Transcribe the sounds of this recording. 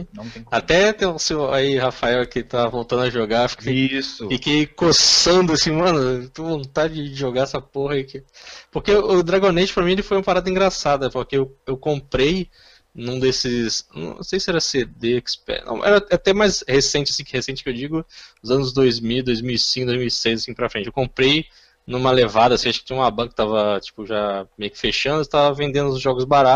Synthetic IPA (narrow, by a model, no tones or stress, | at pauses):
nɐ̃t̪at̪ɛt̪ẽseaihafaɛwkɪt̪aɐvowt̪ɐ̃nd̪ʊɐʒoɡaefi̥kʰejsʊfikejkosɐ̃d̪ʊasĩmɐ̃nʊt̪ũvõnt̪ad͡ʒɪd͡ʒd͡ʒɪd͡ʒɪʒoɡaɛsɐpoɦɐikɪpoɾkeʊd̪ɾaɡõnet͡ʃɪ̥pɾɐmĩelɪfojũmɐpaɾad̪ɐĩɡɾasad̪ɐpoɾkeewewkõmpɾej | nũd̪esɪsnɐ̰̃w̃ñ̰sejsɪɛɾɐsed̪eɛkspɛ̰nɐ̰̃w̃ʔɛ̰ɾɐɛat̪ɛmajshesẽnt͡ʃɪḁsĩkɪhesẽt͡ʃɪ̥kewd͡ʒiɡʊʊzɐ̃nʊzd̪ojzmiwd̪ojzmiwisĩkʊd̪ojzmiwisejzasĩpɾɐfɾẽt͡ʃɪewkõmpɾej | nũmɐlevad̪ɐasĩaʃʊkɪt͡ʃĩumɐbɐ̃kɪ̥t̪avɐt͡ʃi̥pʊʒamejʊkɪ̥feʃɐ̃nd̪ʊɪt̪avɐvẽnd̪ẽnd̪ʊʊzʒɔɡʊzbaɾa